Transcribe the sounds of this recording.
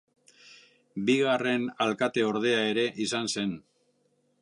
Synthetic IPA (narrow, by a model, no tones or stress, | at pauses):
biɣare̞nalkat̪e̞o̞ɾðe̞ae̞ɾe̞ʔisanse̞n